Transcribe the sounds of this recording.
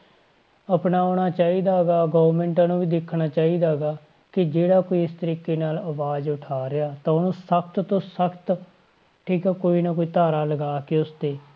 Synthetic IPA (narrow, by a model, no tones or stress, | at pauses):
əpnaːoːɽ̃aːt͡ʃaːiːd̪aːɡaːɡoːʋəɾmɛ̃ːɳʈãːnũːʋiːd̪ɪkʰːɽaːt͡ʃaːiːd̪aːɡaː | kɪd͡ʒeːɽaːkoːiːɪst̪əɾiːkeːnaːlaʋaːd͡ʒʊʈʰaːɾɪjaːt̪ãːʊnõːsək̚ʰt̪t̪õːsəkʰt̪ | ʈʰiːkɛːkoːiːnakoːiːt̪aːɾaːləɡaːkɪʊst̪eː